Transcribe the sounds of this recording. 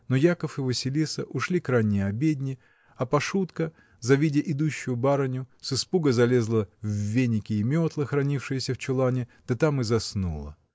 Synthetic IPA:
nojakəfɨvɨsʲɪlʲisəʔʊʂlʲikɾajnʲɪjəɐbʲedʲnʲɪ | ɐpɐʂut̪kə | zɐvʲidʲɪʔɪd̪uɕːʊjʊbaɾənʲʊsɨspuɡəzɐlʲe̞zlˠəvːʲenʲɪkʲɪːmʲo̞t̪lˠəxɾɐnʲifʂɨjəsʲəft͡ɕɪlˠanʲɪd̪̥ət̪amɨzɐsnṵlˠə̰

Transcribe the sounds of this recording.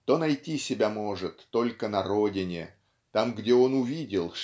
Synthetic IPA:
t̪o̞nɐjtʲisʲɪbʲamo̞ʐɨt̪ːo̞lʲkənɐɾo̞dʲɪnʲɪ | t̪amɡdʲeo̞nʊvʲidʲɪlˠʂ

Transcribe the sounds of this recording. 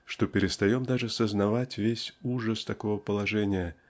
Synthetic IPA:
ʂt̪opʲɪɾʲɪst̪ɐjomd̪aʐɨsəznɐvatʲvʲesʲuʐəst̪ɐkovəpəlˠɐʐɛnʲɪjə

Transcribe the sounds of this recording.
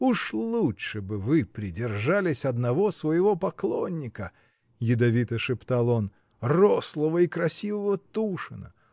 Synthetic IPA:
uʂlˠutʂɨbɨvɨpɾʲɪdʲɪrʐalʲɪsʲɐd̪nɐvosvəjɪvo̞pɐklˠonʲːɪkə | jɪd̪ɐvʲit̪ɐʂɨpt̪alˠo̞n | roslˠəvəikɾɐsʲivəvət̪uʂɨnə̰

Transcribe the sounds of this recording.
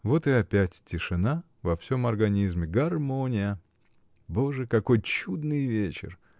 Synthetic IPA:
vo̞t̪ɨɐpʲætʲtʲːɪʂɨna | vɐfsʲo̞mɐrɡɐnʲizmʲɪɡɐrmonʲɪjə | bo̞ʐɨkɐko̞jt͡ɕud̪nɨjvʲet͡ɕɪ̰r

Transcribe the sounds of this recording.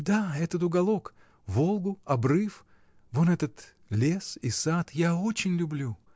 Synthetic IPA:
d̪aɛt̪ət̪ʊɡɐlˠo̞k | vo̞lˠɡʊɐbrɨf | vonɛt̪ət̪ | lʲe̞sisat̪jaot͡ɕɪnʲlʲʊblʲu

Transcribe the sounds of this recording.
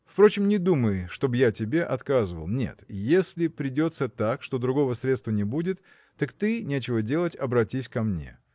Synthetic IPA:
fpɾo̞t͡ɕɪmnʲɪd̪uməjʂt̪o̞bjatʲɪbʲe̞ʔɐt̪kazɨvə̰lˠnʲḛt̪jesʲlʲɪpɾʲɪdʲo̞t̪sət̪akʂt̪o̞d̪ɾʊɡo̞vəsɾʲet̪st̪vənʲɪbudʲɪt̪ː | akt̪ɨnʲet͡ɕɪvədʲe̞lˠətʲɐbɾɐtʲisʲkɐmnʲḛ

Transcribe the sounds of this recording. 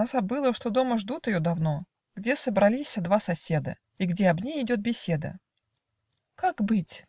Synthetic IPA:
azɐbɨlˠəʂt̪o̞d̪o̞məʐd̪ut̪ɪjod̪ɐvno̞ | ɡdʲe̞səbɾɐlʲisʲəd̪vasɐsʲed̪ə̰ | iɡdʲe̞ɐbnʲejɪdʲo̞t̪̚bʲɪsʲe̞d̪ə̰ | kakbɨtʲ

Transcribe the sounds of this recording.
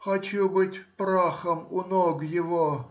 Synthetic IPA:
xɐt͡ɕubɨtʲpɾaxəmʊnoɡjɪvo

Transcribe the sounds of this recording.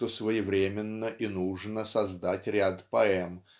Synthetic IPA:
t̪osvəjɪvɾʲemʲɪnːəʔinuʐnəsɐzd̪atʲɾʲat̪pɐɛm

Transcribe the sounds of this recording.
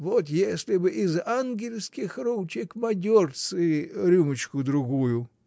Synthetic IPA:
ʋot̪jesʲlʲɪbɨʔɪzanɡʲɪlʲsʲkʲɪxɾowt͡ʃʲɪkmɐdʲort̪sɨɾʲumɨt͡ɕkʊd̪ɾʊɣujʊ

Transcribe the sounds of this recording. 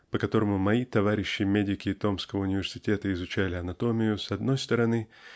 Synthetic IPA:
pəkɐt̪o̞ɾəmʊmɐit̪ɐvaɾʲɪɕːɪmʲedʲɪkʲɪːt̪o̞mskəvəʊnʲɪvʲɪrsʲɪtʲe̞t̪əɪzʊt͡ɕælʲɪɐnɐt̪o̞mʲɪjʊsɐd̪no̞jst̪əɾɐnɨ

